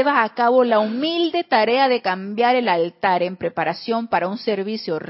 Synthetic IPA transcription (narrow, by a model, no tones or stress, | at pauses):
eβaːkaβo̞laumild̪e̞t̪aɾeaðe̞kambjaɾe̞lalt̪aɾempɾepaɾasjo̞mpaɾaunseɾβisjor